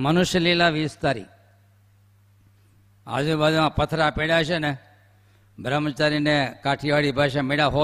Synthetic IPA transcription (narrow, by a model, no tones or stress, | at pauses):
mənʊʃjəlilaʋiːst̪aɾḭ | a̰d͡ʒubad͡ʒmãpət̪ʰɾapeɽaʃene | bʱɾəmət͡ʃaɾinekaʈʰiʋaɽibʱaʃameɽaɦo